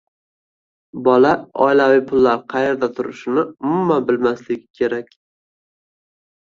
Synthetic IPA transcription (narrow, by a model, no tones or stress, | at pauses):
bɒlaɒ̰ɪlavijpʰʊlˠːaɾqʰɑje̞ɾd̪at̪ʰʊɾɪʃɪnɪʊmʊmanbɪlmaslɪɡʲɪkʲʰe̞ɾakʲ